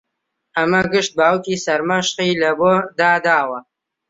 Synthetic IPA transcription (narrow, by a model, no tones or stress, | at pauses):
ɐmɐɡɨʃt̪̚baːwkiːsɐɾmɐʃqiːlɐboːd̪aːd̪aːwɐ